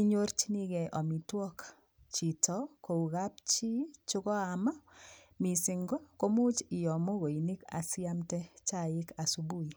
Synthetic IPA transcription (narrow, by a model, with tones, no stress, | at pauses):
i˦ɲo˦ɾt͡ʃi˦ni˦ɡɛ˨ʔɔ˨mi˨twɔ˦k | t͡ʃi˨tɔ˦ko˨u˨ɣa˦pt͡ʃi˦t͡ʃʊ˦kɔ˦a˨ma˦ | mi˨sɪ˨ŋɡɔ˦ko˦mu˦t͡ʃɪ˨jɔ˨mo˦ɣo˨i˨ni˦ka̰˨sɪ˦a˦mtɛ˦t͡ʃa˦ɪ˦ka˨su˨bu˦i˨